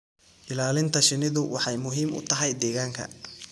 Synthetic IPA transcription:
ʔɪlaːlɪnt̪ʰɐʃɪnɪðʊwʔɑħɑjmʊɦiːmʊ̰t̪ʰɐɦɛjd̪ɛːɣaːŋkʰɐ̰

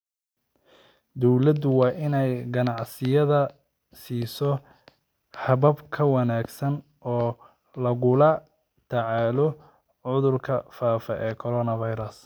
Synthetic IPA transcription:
d̪ɔwlɐd̪ʊwɑːʔɪnɛjɡɐnɑʕsɪjɐðɐ | siːsɔ | hɐβɐbkʰɐwɑnaːɡsɐn | ɔː | lɐɣʊlɐ | t̪ʰɐʕɑːlɔ | ʕʊðʊrkʰɐfaːfɐʔɛːkʰɔɾɔːnɐvɐjɾɐs

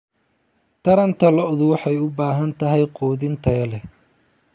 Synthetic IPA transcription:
t̪ʰɐɾɐnt̪ʰɐlɔʔðʊwɑħɑjʊbaːɦɐnt̪ʰɐɦɛjqɔːðɪnt̪ʰɐɐlɛ

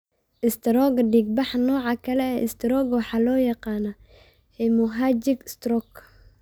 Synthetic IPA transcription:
ʔɪst̪ʰɾɔɡɖiɡ̚bɑħnɔːʕɑkʰɐlɛɛːʔɪst̪ɪɾɔɡwɑħɑːlɔːjɑqɑːnɐ | ɛmʊɦaːd͡ʒɪɡst̪rɔk

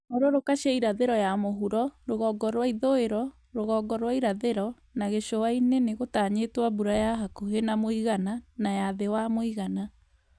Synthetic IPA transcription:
ɔɾɔɾokaɕaiɾaðeɾɔjamoɦuɾɔɾoɣɔɡɔɾwaiðoeɾɔ | ɾoɣɔɡɔɾwaiɾaðeɾɔ | naɣeɕoaineneɣotaɲetwabuɾajaɦakuɦenamoiɣananajaðewamoiɣana

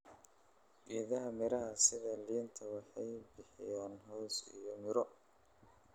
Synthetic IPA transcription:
ɡiːðɐɦɐmɪɾɐɦɐsɪðɐliːnt̪ʰɐwɑħɑjbɪħɪjaːnɦɔːsḭjɔmɪɾɔ

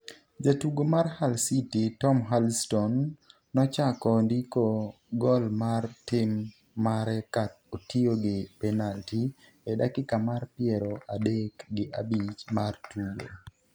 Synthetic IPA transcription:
d͡ʒatuɡomarhalsititɔmɦalstɔnː | ɔt͡ʃakɔndiko | ɡɔlmartɪmː | aɾɛkat̪̚ | otioɡɪpɛnalti | ɛdakɪkamarpɪɛɾoʔadekɡɪʔabit͡ʃmartuɡo̰

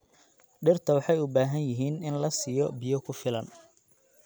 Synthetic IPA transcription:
ɖɪrt̪ʰɐwɑħɑjʊbaːɦɐnjɪɦiːnɪnlɐsijɔbɪjɔkʰʊfɪlɐn

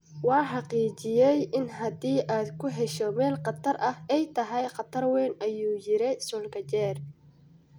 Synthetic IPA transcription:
wɑːħɑqiːt͡ʃɪjɛjʔɪnɦɐd̪iːʔaːd̪kʰʊɦɛʃɔmɛːlqɑt̪ʰɐrʔɐhɛjt̪ʰɐɦɛjqɑt̪ʰɐrwɛːnʔɐjuːjɪɾɛsɔːlkɐt͡ʃɛːr

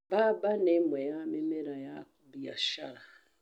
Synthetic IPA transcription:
babanemwejamemeɾajakubia̰ʃaɾa

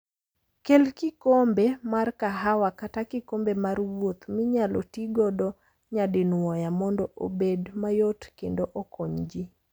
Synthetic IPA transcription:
kelkɪkombemarkaɦawakatakɪkombemaɾwot̪mɪɲalɔtiɡɔdɔ | ɲadɪnwɔjamɔndɔʔo̰bedmajotkendoʔɔkʰoɲd͡ʒi

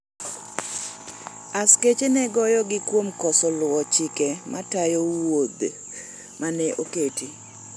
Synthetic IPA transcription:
asket͡ʃenɛɡɔjɔɡɪkwomkɔsɔlʊwɔt͡ʃɪkɛmatajowod̪ | manɛʔoketi

